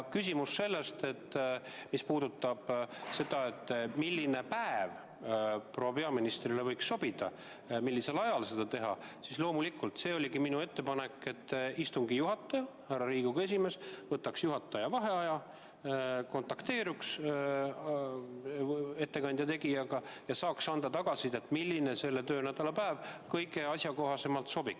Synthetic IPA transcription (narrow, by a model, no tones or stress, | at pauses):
kysʲimusːe̞lːe̞st̪e̞t̪ːmispuːd̪ut̪ˑːɑb̥se̞d̪̥ɑe̞t̪ːˑmilʲːine̞pæev | pro̞ːwɑpe̞ɑminist̪rilevɤ̞jksːo̞b̥id̪̥ɑ̰ | milʲːise̞lɑjɑlse̞d̪̥ɑt̪e̞ɦɑ̰sislo̞ːmulikːult̪se̞ːo̞lʲiɡiminue̞t̪ːepɑne̞kːe̞t̪ːist̪uŋɡijuɦɑt̪ːˑɑjɑhærːɑɾiːɡ̥uɡ̥e̞s̬ʲime̞svɤt̪ːɑksjuɦɑt̪ːˑɑjɑvɑɦe̞ɑjɑ | ko̞nt̪ɑkt̪e̞ːɾuks | e̞t̪ːe̞kɑnʲd̪̥ʲjɑt̪e̞ɡijɑɡ̥ɑjɑsɑːksɑnd̪̥ɑt̪ɑɡ̥ɑsid̪̥e̞t̪ːˑmilʲːine̞se̞lːe̞t̪ø̞ːnæd̪̥ɑlɑpæːvkɤjɡe̞ɑsʲjɑko̞ɦɑse̞mɑlt̪so̞bik